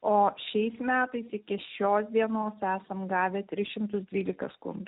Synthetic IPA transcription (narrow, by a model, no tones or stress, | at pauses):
oːʃʲɛɪsmʲæːt̪ɐɪsɪkʲɪʃʲoːsd̪ʲiɛnoːsæːsɐmɡɑːʋʲɛt̪ʲɾʲɪsʃʲɪmt̪ʊsd̪ʲʋʲiːlʲɪkɐskʊ̰nd̪